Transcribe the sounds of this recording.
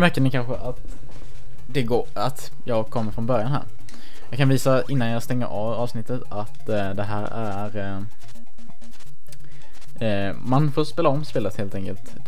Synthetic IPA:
mæɾkənɛkʰanɧəʔat̪ | d̪ɛɡoː | at̪ | jɑːɡkʰɔmːəɾfɾɔnbœɾjanɦæ̰ːɾ | jɑːɡkʰːanviːsaʔɪnːanjɑst̪ɛŋːə̰ɾʔɑvɑːvsnɪt̪ːət̪at̪ | d̪ɛɦæːɾæ | ɾ | manfoːɾspeːlaɔmspeːlət̪heːlt̪ɛŋkəlt̪

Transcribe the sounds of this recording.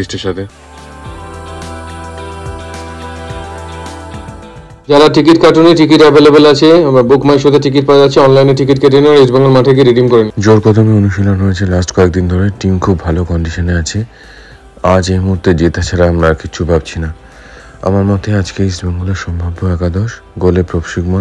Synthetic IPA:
iʃʈiʃat̪ʰe | d͡ʑalaʈikiʈkaʈoniʈikiʈɛbelebelat͡ɕʰebokʰmajʃod̪eʈik̬iʈ̚paat͡ɕʰeɔnlajneʈːik̬iʈkeʈ̬eneaɾisbaŋɡoɾmaʈʰak̬eɾeɖimkɔɾenid͡ʑoɾpɔt̪ʰomeonuʃilonɦojet͡ɕʰelasʈkɔek̚d̪ind̪ʱoɾeʈimkʰubːʱalokɔɳɖiʃoneat͡ɕʰe | ad͡ʑejmuuɾt̪ed͡ʑet̪at͡ɕʰaɾaamɾaɾkit͡ɕʰubab̚t͡ɕʰina | a̰maɾmɔt̪ead͡ʑkeisbaŋɡoleɾʃɔmbʱabːoɛkad̪ɔʃ | ɡolepɾobʃikmo

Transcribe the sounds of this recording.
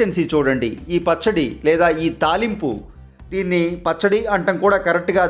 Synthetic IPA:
ɐnsiːt͡ʃuːɽɐɳɖḭiːpɐt͡ʃːɐɽḭlɛːd̪aːiːt̪aːlimpṵ | d̪iːnːipɐt͡ʃːɐɽiɐɳʈɐŋkuːɽaːkɐɾek̚ʈɡaː

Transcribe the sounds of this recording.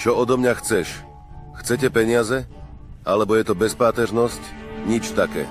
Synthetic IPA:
t͡ʃɔɔd̪ɔmɲaxt͡sɛʃ | xt͡sɛcɛpɛɲɪazɛ | ʔalɛbɔjɛt̪ɔbɛspaːt̪ɛʒnɔscɲit͡ʃt̪akɛ̰ː

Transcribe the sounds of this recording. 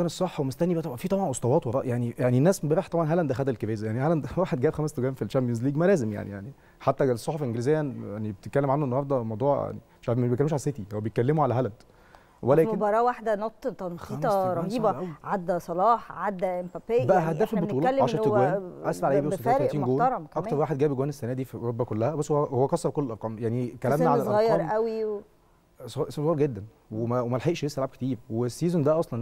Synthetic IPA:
kæːnesˤɑħːwemost̪ænːibæʔt̪ˤɑbɑnfit̪ˤɑbʕɑnʔosˤt̪ɑwɑːt̪wɑɾˤɑ̰ːʔjaʕnijaʕninːæːsbæɾiːħt̪ɑbʕɑnɦælænd̪æxæd̪ælkebæːzæjaʕnihælænd̪wæːħed̪̚ɡæːbxæmæst̪oɡæːmfilt͡ʃæmpiensliːɡmælæːzemja̰ʕnijaʕni | ħat̪ːæɡsːˤoħofelʔenɡeliːzejːæʔænenibet̪et̪̚kːælːemʕanːoʔenːohɑɾˤd̪æmɑwd̪ˤuːʕja̰ʕnḭ | ʃafmæetkælːemʃʕaset̪ihæwæbejet̪̚kːælːemoʕalæɦælænd̪ | wælæːebɑɾˤɑːwaħd̪ænɑt̪ˤːt̪ɑnxiːæmˤɑɾˤɑiːbæʔæwʕad̪ːæsˤɑlɑːħʕad̪ːæʔempæpːebæʔæɦæd̪æːfilbotuːlɑæːʕaʃʃɑɾwæːnʔæslaʕʔeːbiææːɾæʔt̪iːnɡoːlɑɾˤɑmkʔɑkmk̪ːɑɾˤwaːħed̪ɡæːbɡowæːnesːænæːd̪iːfioobːækolːæhæbæsːhwowæhowːækɑsˤːɑfkolːelʔɑɾqɑːmjaʕnikællæmnæʕalælsʔɑɣɑjːɑːɾˤʔæwi | ssolɑːɾɡed̪ːæn | wemæwemælħeʔʃlesːælʕab̚ket̪iːɾwesːiːzond̪æʔɑsˤlɑn

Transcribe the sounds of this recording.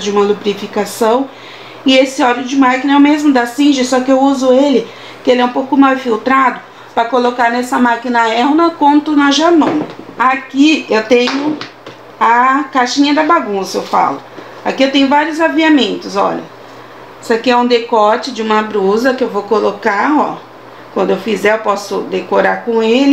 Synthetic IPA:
d͡ʒɪũmɐlupɾifikasɐ̃w̃ | ɪesɪɔlʊd͡ʒɪmakinɐɛwmezmʊd̪asĩʒɪsɔkɪewuzʊelɪ | kɪelɪɛũpowkʊmawsfiwt̪ɾad̪ʊ | pɾɐkolokaɾnɛsɐmakinɐɛnɐkõnt̪ʊnɐʒanõnakiewt̪ẽɲʊ | ɐkaʃĩɲɐd̪ɐbaɡũsɐewfa̰lʊ | akiewt̪ẽɲ̃ʊvaɾjʊzaviamẽnt̪ʊzɔ̰ʎɐ̰ | sakiɛũd̪ekɔt͡ʃɪd͡ʒɪũmɐbɾuzɐkɪewvowkolokaɔ̰ | kwɐ̃nd̪ʊewfizɛewpɔsʊ̰d̪ekoɾaɾkõelɪ

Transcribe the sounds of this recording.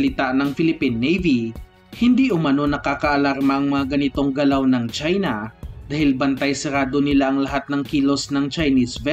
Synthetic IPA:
lɪt̪aʔnɐŋfɪlɪpinːɛjvi | hɪnd̪iʔʊmɐno̞nɐkaːkɐʔɐlaɾmɐʔɐŋmɐŋaɡɐnɪt̪o̞ŋɡɐlawnɐŋt͡ʃajnɐd̪aːhɪlbɐnt̪ajsɛɾaːd̪o̞nɪlaʔɐŋlɐɦat̪̚nɐŋkiːlo̞snɐŋt͡ʃɐjnisvɛ

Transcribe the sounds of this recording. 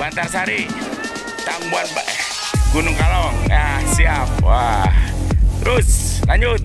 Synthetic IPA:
bant̪arsaɾi | t̪aŋbuat̪̚b | ɡunʊŋkalaŋjasiap̚wa | t̪ɾʊslaɲʊt̪̚

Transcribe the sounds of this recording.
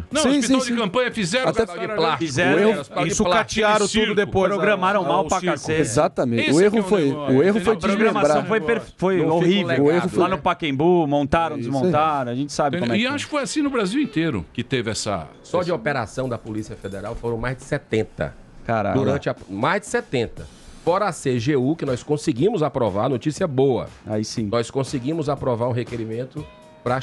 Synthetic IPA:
nɐ̃sw̃sspitĩwsd͡ʒkɐ̃pɐ̃ɲɐfizɛɾaɛplafizɛɾehʊspit̪aiɪsulat͡ʃiaɾɐ̃t̪ud̪ʊd̪epojpɾoɡɾɐ̃maɾɐ̃w̃mawpakaseezat̪ɐmẽt͡ʃʊehʊfojʊehʊfojɾoɡɾɐ̃massɾɐ̃w̃fojpeɾffojohiveeʊflanʊpakẽj̃bumõnt̪aɾɐ̃w̃d̪ɪzmõt̪aɾɐ̃w̃aʒẽnt͡ʃɪ̥sabɪkmɛaʃʊkɪfojasĩnʊbɾaziwẽnt̪eɾʊ̰kɪt̪evɪɛsɐ̰ | sɔd͡ʒɪopeɾasɐ̃w̃d̪ɐpolisiɐfed̪eɾawfoɾɐ̃w̃majzd͡ʒɪsɛt̪ẽnt̪ɐ̰ | kaɾa̰d̪uɾɾɐ̃nt͡ʃɪɐmajzd͡ʒɪ̥sɛt̪ẽnt̪ɐ | fɔɾɐaseʒeukɪnɔjskõsɪɡĩmʊzapɾovaɾnot͡ʃisiɐboɐ̰a̰isĩnɔjskõsɪɡĩmʊzapɾovaɾũɦekeɾimẽnt̪ʊ | pɾɐ

